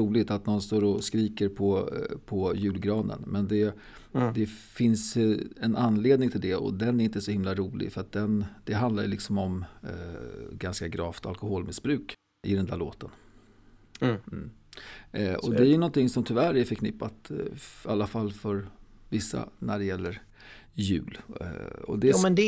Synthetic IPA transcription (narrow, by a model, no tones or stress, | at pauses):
uːlɪt̪at̪̚nɔnst̪oːɾɔskɾiːkəɾpʰɔpʰɔjʉ̟ːlɡɾɑːnə̰nmɛnd̪ɛ | d̪ɛfɪnsɛnanːleːd̪nɪŋt̪ʰɪld̪ɛɔ̰d̪ɛnæɾɪnt̪əsɔhɪmlaɾuːlɪ̰ɡfœɾat̪̚d̪ɛnd̪̥ɛɦand̪la̰ɾjlɪksɔmɔm | ɡanskaɡɾɑːft̪ʰa̰lkɔɦoːlmɪsbɾʉ̟ːk | ʔɪd̪ɛnd̪æɭoːt̪ən | ɔd̪ɛæɾjɵnɔnt̪ɪŋsɔmt̪ʰɵvæɾæfəɾkʰnɪpːat̪alːafalːfœɾ | vɪsːa̰næɖɛjɛlːəɾ | jʉ̟ːl | ɔ̰d̪ɛ